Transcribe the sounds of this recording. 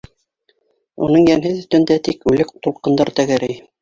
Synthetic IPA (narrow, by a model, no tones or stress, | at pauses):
ṵnɤɴjæmɦɘðɵ̆st̪ɘ̆nd̪æt̪ikʉlɘkt̪ulˠqɤ̆nd̪ɤɾt̪æɡæɾɘj